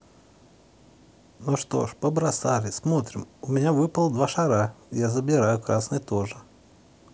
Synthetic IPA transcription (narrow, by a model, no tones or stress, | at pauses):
noʂt̪o̰ʂpəbɾasalʲɪsmot̪ɾʲɪmʊmʲɪnʲavɨpəlˠd̪vaʂɐɾajazəbʲɪɾajʊkɾasnəjt̪oʐɨ